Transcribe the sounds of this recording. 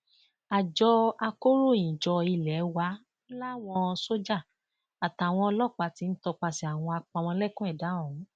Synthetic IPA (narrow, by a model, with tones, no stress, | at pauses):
a˨d͡ʒɔ˧a˧ko˦ɾo˦˨jĩ˨d͡ʒɔ˧i˧˨lɛ˨˦wa˨˦ | la˦˨w̃ɔ̃˧so˦d͡ʒa˦˨ | a˨ta˨w̃ɔ̃˧ɔ˧lɔ˦˨k͡pa˨˦ti˨˧˦n̩˦tɔ˧k͡pa˧si˧a˨w̃ɔ̃˧a˧k͡pa˧w̃ɔ̃˧˦lɛ˦˨kũ˦ɛ˦˨da˨˦ɔ̃˨ũ˨˦